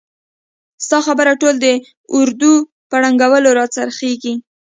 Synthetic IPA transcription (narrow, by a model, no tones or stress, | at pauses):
st̪ɑxabəɾaʈold̪ə | ʊɾd̪u | pəɽaŋɡawəloɾɑt͡saɾxeɡi